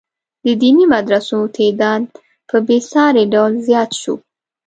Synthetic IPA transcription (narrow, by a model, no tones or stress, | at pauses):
d̪əd̪inimad̪ɾasot̪ʰed̪ɑd̪̚ | pʰəbesɑɾeɖawlzjɑt̪ʃṵ